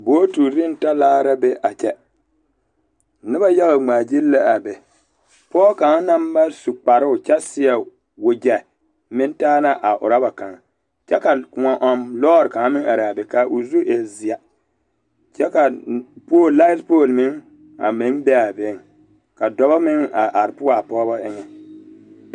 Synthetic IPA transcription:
boː˦tu˨ɾɪ˦n˨ta˦laː˦ɾa˦bɛ˦ʔa˨t͡ʃɛ˦ | nɪ˦ba˦ja˦ɣa˨ŋ͡maː˨d͡ʒi˦lːa˦a˨bɛ˨ | pɔː˦ka˨˦na˦mba˦su˨k͡pa˨ɾɨ˦ʊ˨t͡ʃɛ˦sɪ˦a˨ | wo˨d͡ʒɛ˨ | mɪ˦n˦taː˦na˦ʔa˨ʔʊ̰˨ɾa˦ba˨ka˨ŋ | t͡ʃɛ˦ka˨kŋa˨ʔɔ˨mlɔː˦ɾɪ˨ka˨ŋ˦mɪ˦ŋa˨ɾa˨bɛ˨ka˨ʔʊ˨zu˦e˨zi˨a˨ | t͡ʃɛ˦ka˨poː˦˨la˦spoː˦˨lmɪ˦ŋ | a̰˨mɪ˦ŋbɛ˦a˨bɪ˦ŋ˨ | ka˨dɔ˨ba˦mɪ˦ŋa˨ʔa˨ɾpʊ˦a˨pɔː˦bɔ˦ʔɪ˦ŋɛ˨

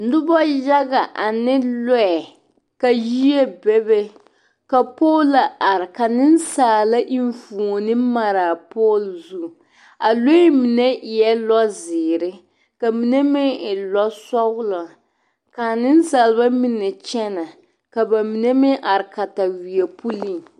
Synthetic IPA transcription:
n̩˦dʊ˦bɔ˦ja˦ɡa˨ʔa˨nɪ˦lɔ˦ɛ˨ | ka˨ji˦e˦bɛ˦bɛ˦ | ka˨poː˦lːa˨ʔa˨ɾɪ˨ka˨nɪ˦n̩˦saː˨la˦ʔi˦ɱfu˨o˨nɪ˦ma˨ɾa˨po˦lzu˦˨ | a˨lo˦mi˨nɛ˦ʔɪ˨jɛ˦lɔ˦zɪː˨ɾɪ˦ | ka˨mi˨nɛ˦mɪ˦ɪ˨lɔ˦sɔ˦ɣʊ˦lɔ˨ | ka˨nɪ˦n˦saː˨lba˦mi˦nɛ˨t͡ʃɛ˦na˨ | ka˨ba˨mi˨nɛ˦mɪ˦ʔa˨ɾɪ˨ka˨ta˨wi˨ɛ˨pu˦li˦˨ŋ

